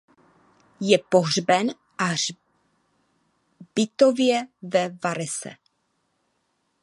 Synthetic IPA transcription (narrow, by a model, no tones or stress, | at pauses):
jɛpoɦrbɛn | ʔa | b̥ɪt̪ovjɛvɛvaɾɛsɛ̰